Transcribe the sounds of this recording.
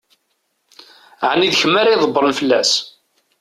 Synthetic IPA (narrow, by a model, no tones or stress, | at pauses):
ʕniðçəmːæɾijðˤəbːəɾˤnfəlːæs